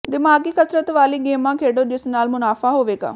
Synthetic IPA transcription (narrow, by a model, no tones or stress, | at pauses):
d̪ɪmaːɡiːkəsɾət̪ʋaːliːɡeːmãːkʰeːɽoːd͡ʒɪsnaːlmʊnaːfʰaːɦoːʋeːɡa̰ː